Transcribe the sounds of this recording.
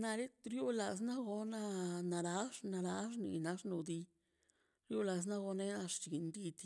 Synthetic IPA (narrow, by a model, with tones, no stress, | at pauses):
na˧ɾe˦t̪ɾjo˦la˧s̬na˦ɡo˧na˦na˧ɾa˧˦ʂna˧ɾa˧˦ʐ̬nḭ˧˨na˧ʂnu˨d̪i˧ | ɾjo˦la˧s̬na˦ɡo˧ne˦na˧ʂt͡ʃi˨nd̪i˧d̪